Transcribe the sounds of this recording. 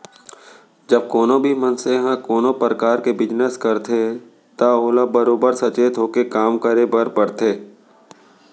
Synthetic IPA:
d͡ʒəb̚koːnõbʱimənseɦãkoːnõpɾəkaːɾkebɪd͡ʒnəskəɾt̪ʰe | t̪aɦoːlabəɾoːbəɾsɐt͡ʃeːt̪ɦoːkekaːmkəɾebəɾpəɽt̪ʰeː

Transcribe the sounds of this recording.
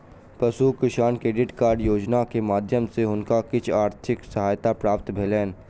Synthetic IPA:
pɐsukɪʃaːnkeːɖɪʈkaːɾɖjoːd͡ʒnakemaːd̪ʱjəmseʊnkakɪt͡ʃʰaːɾt̪ʰɪksəɦaːjt̪apɾaːpt̪bʱeːlɛːn

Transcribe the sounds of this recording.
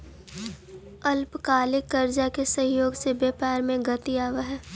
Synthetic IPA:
ɐlpkaːlɪkːɐɾd͡ʒakesɐ̃ɦjoːɡsebjɐːpaːɾmẽɡət̪iaːʋaɦɛː

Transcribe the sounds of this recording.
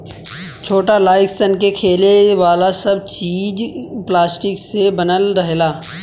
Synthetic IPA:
t͡ʃʰoːʈalaːɪksənk̬ekʰeːleʋaːlasɐbt͡ʃiːd͡ʒplaːsʈɪksebənəlɾəɦelaː

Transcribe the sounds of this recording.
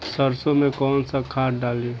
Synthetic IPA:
səɾsomẽkɔːnsakʰaːʈɖaːlio

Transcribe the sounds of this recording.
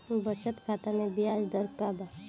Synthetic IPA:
bət͡ʃət̪kʰaːt̪amẽbijaːd͡ʒd̪əɾkaba

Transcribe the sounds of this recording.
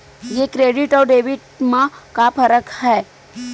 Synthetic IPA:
jekɾeːɖɪʈɔːɾɖeːʋɪʈmãkapʰɐɾəkhɛː

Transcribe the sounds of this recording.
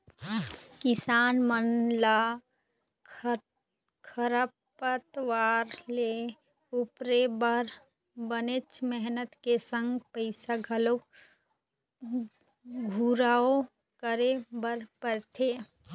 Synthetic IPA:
kɪsaːnmənla | kʰəɾəp | ət̪ʋaːɾle | ʊpɾebəɾ | bənet͡ʃmɛɦnət̪kesə̃ŋɡpəɪsaɡʱəlo | ɡʱuɾaːo | kəɾebəɾpəɾt̪ʰe

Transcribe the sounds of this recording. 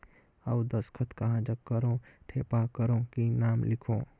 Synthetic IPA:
aud̪əskʰət̪kaɦãd͡ʒəkːəɾõʈʰepakəɾõkinamlikʰõ

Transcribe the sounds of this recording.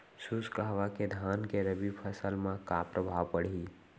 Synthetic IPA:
suskaɦʋaked̪ʱankeɾəbipʰəsəlmãkapɾʔəbʱawpəɽ̤i

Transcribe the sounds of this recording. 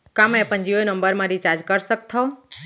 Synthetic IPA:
kamẽpənd͡ʒionəmbəɾmãɾit͡ʃaɾd͡ʒkəɾsək̚t̪ʰəo

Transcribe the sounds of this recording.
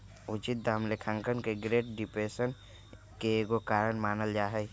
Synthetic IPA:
ʊt͡ʃɪt̪̚d̪aːmlekʰãŋkənkeɡɾeːʈ̚ɖɪpɾeːsən | keɡokaːɾənmaːnəld͡ʒaːɦɛ

